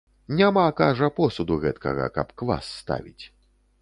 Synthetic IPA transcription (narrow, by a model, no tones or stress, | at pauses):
nʲamakaʐɐpɔsud̪uɣɛt̪kɐ̰ɣɐ̰kɐpkva̰sːt̪a̰vʲit͡sʲ